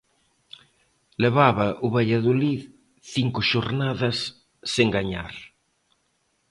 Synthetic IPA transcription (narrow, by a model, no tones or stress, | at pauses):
leβaβɐʔʊβaʎaðolið | θiŋkʊʃoɾnaðɐsː | eŋɡaɲa̰ɾ